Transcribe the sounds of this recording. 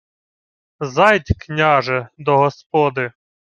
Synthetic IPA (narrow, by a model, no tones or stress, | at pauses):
zɑjtʲknʲaʒɛd̪ɔɦɔspɔd̪ɪ